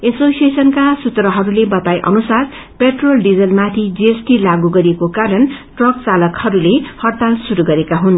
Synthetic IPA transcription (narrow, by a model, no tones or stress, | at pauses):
esosiesʌnkasut̪rʌɦʌɾulebʌt̪ajʔʌ̰nusar | peʈrolɖid͡zʌlmat̪ʰid͡ziesʈilaɡuɡʌɾekokaɾʌnʈrʌkt͡salʌkhʌɾulehʌrt̪alsuɾuɡʌɾekaɦun